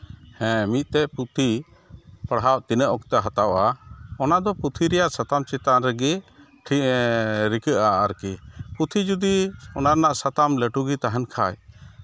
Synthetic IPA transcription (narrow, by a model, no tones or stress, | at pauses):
hɛ̃mit̪̚ˀt̪ɛput̪ʰi | pəɽɦawʔt̪inəʔɔkt̪ɛɦat̪awʔaɔnad̪ɔput̪ʰiɾɛjaʔsat̪amt͡ʃɛt̪anɾɛɡɛ | ʈʰi | ɾikəʔaʔaɾkiput̪ʰid͡ʒud̪iɔnaɾnaʔsat̪amlɛʈuɡit̪aɦankʰa̰j